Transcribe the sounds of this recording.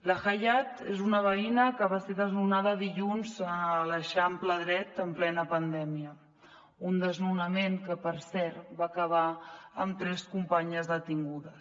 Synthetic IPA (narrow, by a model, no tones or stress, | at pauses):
ləxəʎat̪ezunəβ̞əinəkəβaseðəznunað̞əːðiʎunzləʃampləðɾɛt̪əmplɛnəpənd̪ɛmiə | und̪əznunəmeŋkəpəɾsɛɾβaːkəβ̞aəmt̪ɾɛskumpaɲəzðət̪iŋɡuðəs